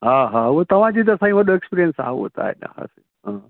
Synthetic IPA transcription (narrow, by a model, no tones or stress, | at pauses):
ɦãɦãʋət̪əʋ̤ãt͡ɕiːt̪əsãĩʋəd̪əekspiɾijənsa̰ɦaɦo̰t̪a̰ḛna̰ɦa̰sə | ɦã